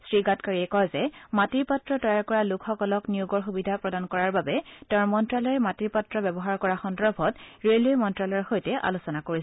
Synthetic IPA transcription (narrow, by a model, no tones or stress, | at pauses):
sɹiɡatkaɹiɛkɔjzɛmatiɹpatɹɔtɔjaɹkɔɹalʊkʰxɔkɔlɔknijuɡɔɹxubidʱapɹɔdankɔɹaɹbabɛtɛɹmɔntɹalɔɹɛmatiɹpatɹɔbɛbɔɦaɹkɔɹaxɔndɔɹbʱɔtɹeliojmɔntɹalɔɹxojtɛʔa̰lusɔnakoɹisɛ